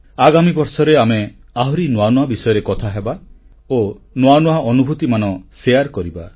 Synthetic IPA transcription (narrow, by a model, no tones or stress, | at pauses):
aɡamibɔɾsɔɾeame | aɦɔɾinwanwabisɔjɔɾekɔt̪ʰaɦeba | o | nwanwaʔɔnubʱut̪imanɔsejaɾkɔɾiba